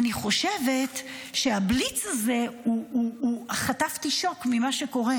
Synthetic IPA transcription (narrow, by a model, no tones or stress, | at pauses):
aniχo̞ʃeve̞tʃeablit͡saze̞uːχataftiʃo̞kmimaʃeko̞ʁe